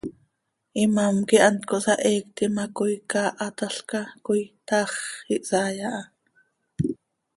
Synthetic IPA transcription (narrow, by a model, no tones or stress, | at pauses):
ʔimamkiʔɑnt̪koʔsɑʔɛːkt̪imakojkɑːʔɑt̪ɑɬkɑkojt̪ɑχiʔsaːjɑʔɑ